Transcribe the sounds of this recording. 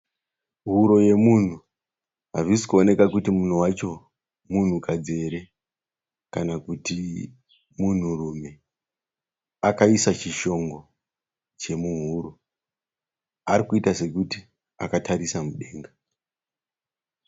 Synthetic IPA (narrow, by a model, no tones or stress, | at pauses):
ɦuɾo̞je̞mun̤u | ɦavisi̥kuone̞kakutimun̤uwat͡ʃo̞ | mun̤ukad͡ze̞ɾe̞ | kanakuti | mun̤urume̞ | akaisat͡ʃiʃo̞ŋɡo̞ | t͡ʃe̞muɦuːɾo | aɾikuitase̞kuti | a̰katʰaɾisamuɗe̞ːŋɡa